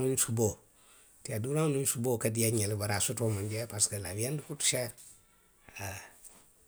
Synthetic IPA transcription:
unsubo | tiaduɾanunsubokadiaɲelbaɾasutomand͡ʒepaskalabijandufutu̥ʃeɾ | a

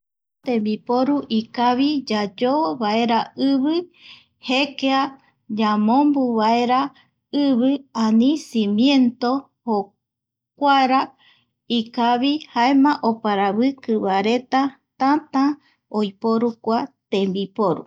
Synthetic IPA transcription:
t̪ẽmbipoɾuʔikaβid͡ʒad͡ʒoβae̞ɾaɨβɨ | hekea | d͡ʒamõmbuβaeɾa | ɨβɨãnĩsĩmjẽ̞nt̪o | ho | kʷaɾa | ikaβihaemãʔopaɾaβɨkɨβaɾe̞t̪a | t̪ãt̪ã | ojpoɾukʷat̪ẽmbipoɾṵ

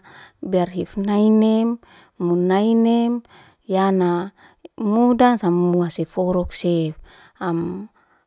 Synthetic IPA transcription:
biarɦifnainɛemː | unainɛm | jana | mudansamːuasefɔɾɔkse | am

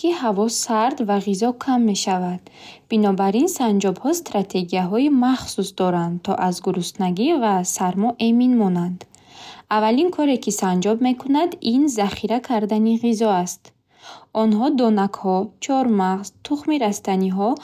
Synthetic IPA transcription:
ihavɔsaɾd̪vaʁizɔkʰamːe̞ʃavad̪̥binɔbaɾinsand͡ʒɔbhɔst̪ɾat̪ʰe̞ɡijaɦɔimaχsusd̪ɔɾand̪t̪ʰɔ̰ʔazɡuɾust̪naɡivasaɾmɔʔeminmɔnand̪ | avalinkʰɔɾe̞kʰisand͡ʒɔbme̞kʰunad̪inzaχiɾakʰaɾd̪aniʁizɔast̪ | ɔnɦɔd̪ɔnakhɔt͡ʃʰɔɾmaʁz̥t̪ʰuχmiɾast̪aniɦɔ

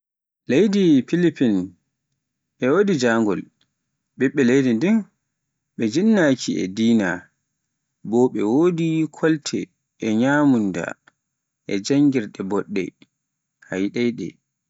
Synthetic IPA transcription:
lejdipilipin | ɓɛwoːdid͡ʒaŋɡɔl | ɓɛɓːɛlejdindin | ɓɛd͡ʒinːakʰiɛ̰diːna | bɔɓɛwodikʰɔltʰɛː | ɲamunda̰ | ʔɛd͡ʒaŋɡiɾɗɛbɔɗːɛ̰ | hajɗɛjɗɛ̰

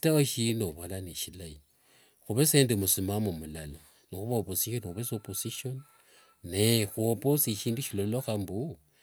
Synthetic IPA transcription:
i̥tawoʃinoβolaneʃilai | xuβeseːndemusimamumulala | nixuβaoposiʃonixuβesoposiʃon | nexuoposiʃiːnduʃilolloxambu

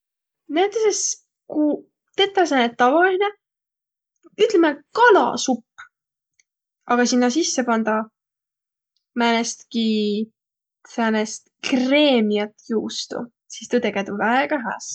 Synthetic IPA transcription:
næːt̪ˑːeses | ku | t̪et̪ːˑɑs̬enet̪ːɑvɑline | yt̪ːˑlemekɑlɑ̰supː | ɑɡ̥ɑsinːɑsisːe̞pɑnd̪̥ɑ | mænest̪ki | sænest̪kre̞ːmiɑt̪juːst̪ṵ | sist̪ut̪eɡet̪uvæeɡɑɦæ̰ːs

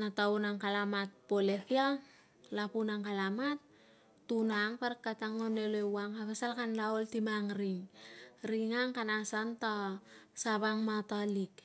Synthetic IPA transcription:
nataunaŋkalamat̚polekia | lapunaŋkalamat̚ː | unaŋpaɾakːataŋonelewaŋaβesalkanlaoltimaŋɾiŋɾiŋaŋkanasantasaβaŋmatalik

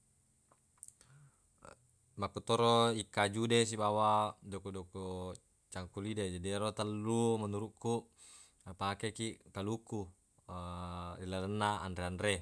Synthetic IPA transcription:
makut̪ɔɾoikːad͡ʒudes̬ibawadokudɔko | t͡ʃaŋkulided͡ʒadiɾot̪əlːumənuɾuʔkːu | pakekiʔkaluku | dilalənːaa̰ndɾeandɾe

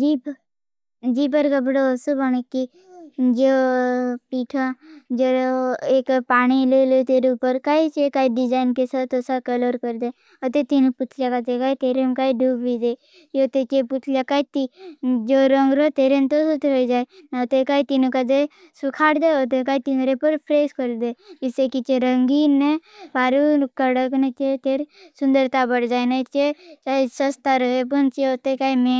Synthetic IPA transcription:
d͡ʒi | d͡ʒiːpəɾkabəɽosubañekːi | d͡ʒo | piːʈʰad͡ʒoeːkpaːɽ̃ilelet̪eːɾeupəɾkait͡ʃekaːiɖɪd͡ʒaːɪnkesat̪osakələɾkəɾd̪e | ət̪et̪inũput̪ʰljakat̪ekaːit̪eːɾemkaiɖʱuːbbid̪e | jot̪et͡ʃeput̪ʰljakait̪id͡ʒoɾəŋɡɾot̪eɾent̪osut̪ɦoid͡ʒaenat̪ekait̪inukad̪e | sukʰaɽd̪eɦot̪̬ekait̪inɾepəɾpʰɾeskəɾd̪ed͡ʒisekit͡ʃeɾəŋɡinebaɾukəɽəknet͡ʃet̪eɾsund̪əɾt̪abəɽd͡ʒaːjnait͡ʃet͡ʃaisəst̪aɾəɦepənt͡ʃeɦot̪ekaime

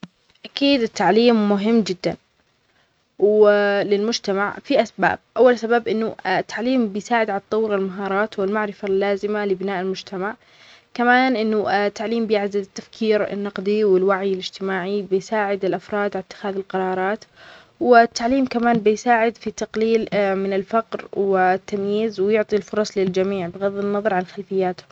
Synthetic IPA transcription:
ʔakiːd̪ɪt̪ːaʕliːmːʊɦɪmːd͡ʒɪd̪ːan | wlɪlmʊd͡ʒt̪amaʕfiʔasba̰ːb̚ʔawːalsabaːbʔɪnːʊt̪ːaʕliːmbɪjsaːʕɪd̪ʕalɑt̪ˤːɑwːɾɪlmaɦɑːɾˤɑːt̪wɪlmaʕɾɪfalːaːzɪmalɪbɪnaːʔɪlmʊd͡ʒt̪ʰamaʕ | kamaːnʔɪnːʊt̪ʰːaʕliːmbɪjaʕd̪ad̪ɪt̪ːafkʰiːɾɪ̰nːɑqd̪ˤiwɪlwaʕjɪlɪd͡ʒt̪ɪmaːʕibɪjsaːʕɪd̪ɪlʔafɾˤɑːd̪ʕalat̪ːɪ̥xaːðɪlqɑɾˤɑːɾˤɑːt̪ | wɪt̪ːaʕliːmkamaːnbɪjsaːʕɪd̪fit̪ːɑqliːlmɪnɪlfaqɾwɪt̪ːamjiːzwɪjʊʕt̪ˤilfʊɾˤɑsˤlɪld͡ʒamiːʕbɪɣaðːɪnːɑðˤɑɾˤʕanxalfɪjːaːt̪ʊ̥

